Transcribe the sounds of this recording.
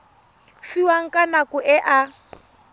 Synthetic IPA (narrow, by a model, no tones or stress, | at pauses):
fiwaŋ̩kʼanakʊʔɛʔa